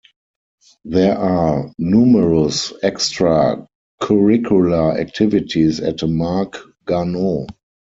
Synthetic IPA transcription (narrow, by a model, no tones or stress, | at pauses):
ðɛəʔaːnjuːməɹəsɛkstɹa | kʰɔɹɪkʰjulaæ̰k̚tʰɪvɪtʰisɛtmak | ɡ̥ano